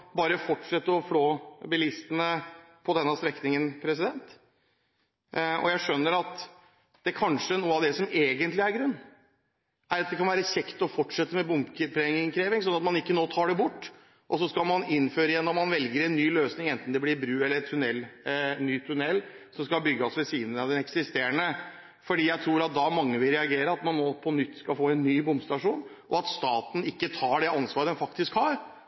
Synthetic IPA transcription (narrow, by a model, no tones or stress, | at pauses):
bɑːɾəfɔʈːʂɛt̪ːəɾɔfloːbɪlɪst̪ənə | pʰɔd̪ɛnːəst̪ɾɛknɪŋənpʰɾɛs̬ɪd̪ɛnt̪ | ɔ̰jæɪʂœnːəɾɑt̪ | d̪̥ɛkʰɑnʂənuːəɑʋd̪ɛsɔmeːɡənt̪lɪæɾɡɾʉnː | æɾɑt̪d̪ɛkʰɑnʋæːɾəçɛkt̪ɔfɔʈːʂɛt̪ːəmɛbʊmkəpʰɾɛŋɪŋkʰɾeːʋɪŋsɔnːɑt̪mɑnɪkːənoːt̪ʰɑːɖɛbʊʈː | ʔɔs̬ɔskɑlmɑnɪnːføːɾəɪjɛnːɔmːɑnʋɛlɡəɾɛnːyːløːsnɪŋɛnt̪n̩d̪ɛblɪɾbɾʉːɛləɾɛt̪tʰʉnɛlːnːyːt̪ʰʉnɛlː | sɔmskɑlbʏɡːəɔsʋɛsiːnənəɑd̪ɛnɛksɪst̪eːɾəɳə | fɔɖiːjæɪt̪ʰɾuːɾɑt̪̚d̪ɑmɑŋːəʋɪlɾɛɑɡeːɾəɑt̪mɑnːoːpʰɔnʏt̪ːskɑlfoːɛnːyːbʊmbst̪ɑʂuːn | ʔɔɑt̪st̪ɑːt̪n̩ɪkːət̪ʰɑːɖɛɑnsʋɑːɾəd̪ɛnfɑkt̪ɪskhɑːɾ